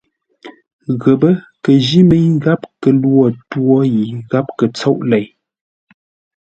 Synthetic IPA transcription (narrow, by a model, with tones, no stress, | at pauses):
ɣə˨bə˦ | kə˨d͡ʒi˦mə˦jɣa˦p̚kə˨lwɔ˨twɔ˦ji˨ɣa˦p̚kə˨t͡sɔ˦ʔlɛ˨j